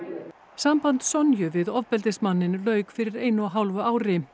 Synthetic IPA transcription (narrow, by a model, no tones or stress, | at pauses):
sampant̪sɔnjʏvɪðɔvpɛlt̪ɪsmanːɪnlœːɥkfɪɾɪɾeːjnʏaɦawlvʏaːwɾɪ